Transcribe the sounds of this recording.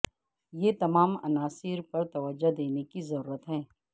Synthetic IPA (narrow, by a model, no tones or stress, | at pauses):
jet̪ɐmaːmɐ̰naːsɪɾpɐɾt̪ɐʋəd͡ʒːad̪eːnekizɐɾuːɾət̪ɦɛ̃ː